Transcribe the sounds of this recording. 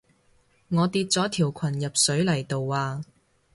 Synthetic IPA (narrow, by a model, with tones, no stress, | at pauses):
ŋɔː˨˧t̪iː˧t̚t͡sɔː˨˥t̪ʰiː˨˩wkʷʰɐ˨˩njɐ˨p̚sɵ˨˥ɥlɐ˨˩jt̪o˨˧wːaː˨